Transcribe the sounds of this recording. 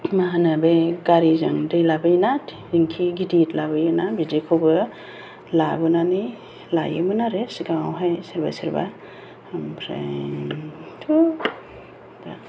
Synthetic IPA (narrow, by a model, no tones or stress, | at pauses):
maɦanɯbeɡaɾizaŋdejlabɯjnat | iŋkʰiɡiditlabɯjɯnabizekʰobɯ | labɯnani | la̰jɯ̰mɯnaɾesɡawwɦajsiɾba̰siɾba̰ | mpʰɾḛ | tʰu | da